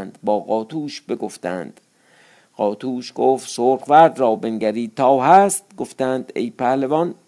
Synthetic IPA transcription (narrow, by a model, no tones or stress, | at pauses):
nd̪̥bɒːɣɒːt̪ʰuːʃbeɡoft̪æ̰nd̪̥ | ɢ̥ɒːt̪ʰuːʃɡ̥oft̪soɾχvæɾd̪rɒːbenɡæɾiːt̪ʰːɒːɦæst̪̚ɡoft̪ænd̪ḛjpʰæhlevɒn